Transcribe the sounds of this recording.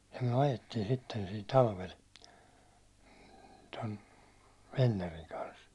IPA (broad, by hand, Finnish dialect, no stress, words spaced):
jɑ myæ̹ ɑjetːiːn sitːen siːn tɑlʋel ton ʋenːeriŋ kɑns